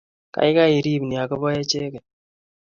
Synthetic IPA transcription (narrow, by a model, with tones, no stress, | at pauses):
ka̰˨˦i˦ka˦i˨ɾi˦˨bni˨a˨kɔ˦bɔ˦jɛ˦t͡ʃe˦kɛ˨